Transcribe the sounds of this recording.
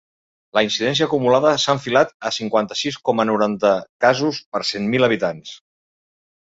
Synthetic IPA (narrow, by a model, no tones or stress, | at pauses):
ləinsiðɛns̬iəkumulaðəsaəɱfilat̪əsiŋkwant̪ə̥siskɔmənuɾant̪əkazuspəɾsenmiləβ̞it̪ans